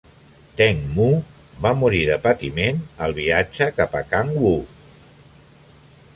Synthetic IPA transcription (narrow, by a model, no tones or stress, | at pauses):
t̪ɛŋmu | βamuɾiðəpət̪imenəlˠβiad͡ʒəkapəkaŋwu